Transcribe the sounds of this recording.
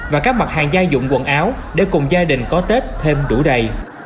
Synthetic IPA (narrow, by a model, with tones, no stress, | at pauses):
vaː˨˩kaː˦˥k̚ma˨˩t̚haː˨˩ŋzaː˧jzʊ̰˧˨ŋ͡mkwə˧˨nʔaː˨˦wɗe˧˩kʊ˨˩ŋ͡mzaː˧ɗï˨˩ŋ̟kɔ˨˦t̪e˦˥t̚t̪ʰe˧mɗu˧˩ɗə˨˩j